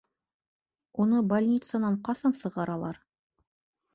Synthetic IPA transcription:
unɤbalʲnʲit̪sənɑɴqɑsɑnsɤ̆ʁɑɾɑlˠɑɾ

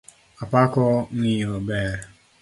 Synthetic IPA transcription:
apakɔŋ̩ijobeɾ

